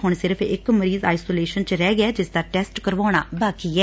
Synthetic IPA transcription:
ɦʊɳ̃sɪɾəpʰɪ̰kməɾiːza̰ːɪsoːleːʃənt͡ʃɾɛːɡɪɛːd͡ʒɪsd̪aːʈɛːsʈkəɾʋaːɽ̃aːbaːkiɛː

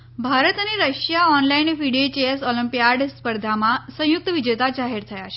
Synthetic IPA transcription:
bʱaɾət̪añiɾəɕjaɔnlainfiɽet͡ɕesɔləmpijaɾɖspəɾd̪ʱamasə̃juk̚t̪əʋid͡ʑet̪ad͡ʑaɦeɾt̪ʰəjaɕ

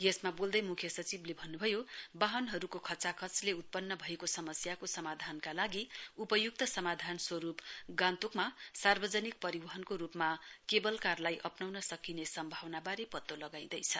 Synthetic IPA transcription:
jesmabold̪ʌjmukʰjʌsʌt͡siblebʱʌnːubʱʌjobaɦʌnɦʌɾukokʰʌt͡sakʰʌt͡sleut̪̚pʌnːʌbʱʌekosʌmʌsjakosʌmad̪ʱankalaɡiupʌjuk̚t̪ʌsʌmad̪ʱanswʌɾupɡãnt̪ukmasarbʌd͡zʌnik̚pʌɾibʌɦʌnkoɾupmakebʌlkarlajʔʌpnawnʌsʌkinesʌmbʱawnabaɾepʌt̪ːolʌɡaj̃d̪ʌjt͡sʰʌ

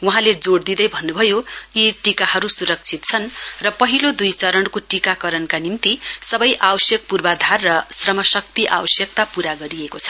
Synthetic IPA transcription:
wuɦãled͡zoɽd̪id̪ʌjbʱʌnːubʱʌjoiʈikahʌɾusuɾʌk̚t͡sʰit̪̚t͡sʰʌnrʌpʌɦilod̪ujt͡sʌɾʌɳkoʈikakʌɾʌnkanimt̪isʌbʌjʔawʌsjʌk̚purbad̪ʱarːʌsrʌmʌsʌk̚t̪iʔa̰wʌsjʌk̚t̪apuɾaɡʌɾiekot͡sʰʌ̥

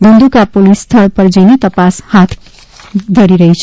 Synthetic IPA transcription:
bə̃nd̪ukapolisːt̪ʰəɭpəɾd͡ʒəjnet̪əpashat̪ʰ | d̪ʱəɾiɾəɦɛt͡ʃʰ

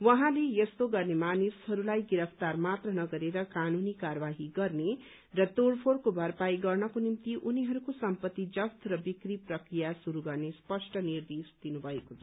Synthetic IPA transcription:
wʌɦãlejʌst̪oɡʌrnemanishʌɾulajɡiɾʌpʰt̪armat̪rʌnʌɡʌɾeɾʌkanunikaɾʌbaɦiɡʌrne | rʌt̪oɽpʰoɽkobʱʌrpajɡʌrnʌkonimt̪iʔuniɦʌɾukosʌmpʌt̪ːid͡zʌst̪rʌbikriprʌkɾijasuɾuɡʌrnespʌsʈʌnird̪esd̪̥inubʱʌekot͡sʰʌ

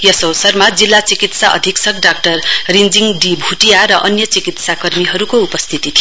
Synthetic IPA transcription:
jʌsowsʌrmad͡zilːat͡sikit̪saʔʌ̰d̪ʱiksʌkɖak̚ʈʌrrind͡ziŋɖibʱuʈijaɾʌʔʌnjʌt͡sikit̪sakʌrmiɦʌɾukoupʌst̪ʰit̪it̪ʰij

